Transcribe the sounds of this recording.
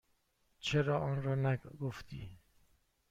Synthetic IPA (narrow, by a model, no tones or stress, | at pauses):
t͡ʃʰeɾɒːʔɒːnɾɒːnæɡoft̪ʰḭː